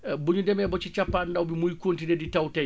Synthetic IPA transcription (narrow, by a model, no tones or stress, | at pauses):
buɲundɛmɛbɔt͡ʃit͡ʃapːandawbimujkontineditawtaj